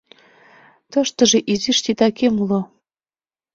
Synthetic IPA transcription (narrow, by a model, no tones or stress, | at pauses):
t̪ɤ̆ʃt̪ɤ̆ʒĕʔiziʃt̪it̪ɑkemulo